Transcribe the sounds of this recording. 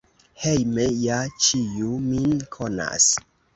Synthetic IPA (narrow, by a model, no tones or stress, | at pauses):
hejmejat͡ʃijuminkʰona̰s